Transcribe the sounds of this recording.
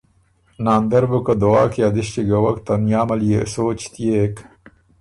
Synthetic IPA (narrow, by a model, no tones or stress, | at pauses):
naːnd̪ɐɾbukɐd̪owaːkiɐd̪iʃt̪iɡɐwɐkt̪ɐmjaːmɐlijesoːt͡ɕt̪ijek